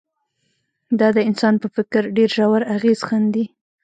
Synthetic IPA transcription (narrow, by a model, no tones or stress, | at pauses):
d̪ɑd̪əɪnsɑnpəfɪkɾɖeɾʒawaɾaɣez̥xand̪i